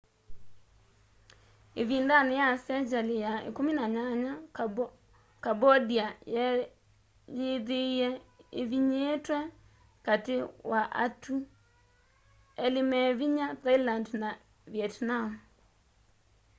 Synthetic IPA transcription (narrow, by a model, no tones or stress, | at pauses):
evindanejasɛd͡ʒalijaḛkominaɲaɲa | kabɔdiaj | jeðeiɛeviɲetwɛ | katewaʔatʰu | ɛlimɛviɲatailandna | vjɛtnam